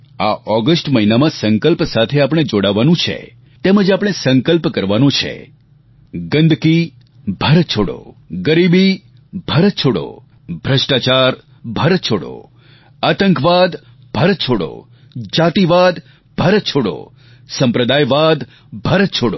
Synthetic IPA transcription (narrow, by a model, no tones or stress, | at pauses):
aʔɔɡəsʈməinamãsəŋkəlpsat̪ʰeapɽ̃ed͡ʒoɽaʋanũt͡ʃʰḛ | t̪eməd͡ʒapəɳ̃esəŋkəlpkəɾʋanũt͡ʃʰḛ | ɡənd̪ʱki | bʱaɾət̪̚t͡ʃʰoɽo̰ | ɡəɾibi | bʱaɾət̪̚t͡ʃʰoɽo̰ | bʱɾəʃʈat͡ʃaɾ | bʱaɾət̪̚t͡ʃʰoɽo̰ | at̪əŋkʋad̪ | bʱaɾət̪̚t͡ʃʰoɽo̰ | d͡ʒat̪iʋad̪ | bʱaɾət̪̚t͡ʃʰoɽo̰ | sə̃mpɾəd̪ajʋad̪ | bʱaɾət̪̚t͡ʃʰoɽo̰